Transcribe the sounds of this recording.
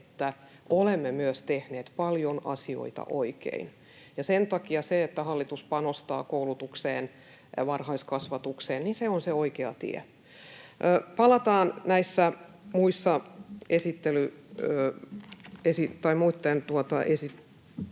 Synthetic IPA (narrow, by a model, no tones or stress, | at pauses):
et̪ːæ | ʔolemːemyøst̪ehneːt̪pɑljonɑ̰sio̰it̪ɑ̰ʔoikḛin | jɑsent̪ɑkiɑseet̪ːæhɑlːit̪uspɑnost̪ɑ̰ːkoulut̪ukseːn | ʋɑrhɑiskɑsʋɑt̪ukseːnninseonseoikeɑ̰t̪ḭḛ | ʔːpɑlɑt̪ɑːnnæisːæmuisːɑesit̪ːelyøː | esit̪ɑimuit̪ːent̪uot̪ɑʔesi